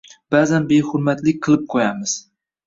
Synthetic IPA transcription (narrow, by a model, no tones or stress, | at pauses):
b̥azanbehʊɾmat̪lɪk̚ʲqʰɨlˠɨp̚qʰojamɪz̥